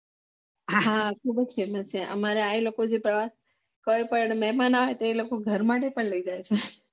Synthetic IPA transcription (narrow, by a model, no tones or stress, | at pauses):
ɦɦakʰubəd͡ʒʰemat͡ʃʰeʔə̰maɾeailokod͡ʒepɾəʋas | kojpəɳmɛɦmanaʋet̪oelokoɡʱəɾmaʈ̬epəɳləid͡ʒajt͡ʃʰe